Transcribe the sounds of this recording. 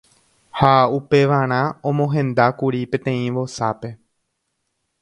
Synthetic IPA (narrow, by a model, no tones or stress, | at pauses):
haupe̞ʋaɾ̃ãõmõɦẽ̞nd̪akuɾipẽt̪ẽ̞ĩʋo̞sape̞